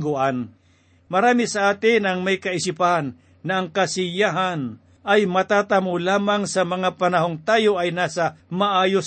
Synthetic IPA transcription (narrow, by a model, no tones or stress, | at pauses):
ɡʊʔan | mɐɾaːmɪsɐʔaːt̪ɪnɐŋmɐjkɐɪsɪpaɦanː | ɐʔɐŋkɐsɪjaɦan | ʔɐjmɐt̪aːt̪ɐmolaːmaŋsɐmɐŋapɐnɐɦoŋt̪aːjoʔɐjnaːsɐmɐʔaːjos